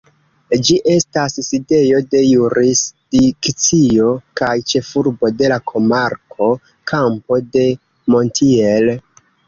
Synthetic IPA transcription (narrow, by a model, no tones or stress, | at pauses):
d͡ʒiʔe̞stasside̞jo̞de̞juɾisdikt͡sio̞kajt͡ʃe̞fuɾbo̞de̞lakʰo̞maɾkʰo̞ | kʰampo̞de̞ | mo̞ntʰiel